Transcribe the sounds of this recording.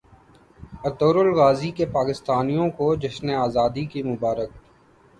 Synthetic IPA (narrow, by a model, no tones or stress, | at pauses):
ɐt̪oːɾʊlɣaːzikepaːkɪst̪aːnijõkod͡ʒɪsneaːzaːd̪ikimʊbaːɾək̚ː